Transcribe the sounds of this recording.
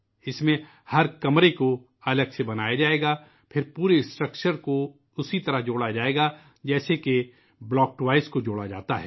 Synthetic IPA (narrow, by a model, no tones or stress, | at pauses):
ɪsmẽ | hɐɾkɐmɾeko | ɐləɡsebɐnaːjad͡ʒaːeːɡaː | pʰɪɾpuːɾesʈɾəkʃəɾko | ʊsit̪ɐɾəɦd͡ʒoːɽad͡ʒaːeːɡa | d͡ʒɛːseke | blɔːk̚ʈwaːɪskod͡ʒoːɽad͡ʒa̰ːt̪aɦɛː